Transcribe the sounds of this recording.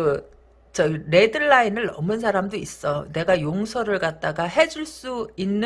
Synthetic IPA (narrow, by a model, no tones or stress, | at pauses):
t͡ɕʌɾe̞dɯɭːainɯɭːʌ̰mɯns̬ʰaɾamdois͈ʌne̞ɡajoŋsʰʌɾɯɭɡat̚t͈aɡaɦe̞d͡ʑuɭs͈uinːɯ